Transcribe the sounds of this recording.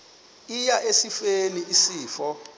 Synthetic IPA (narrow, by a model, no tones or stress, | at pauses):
ijaʔesifeniʔisiːfɔ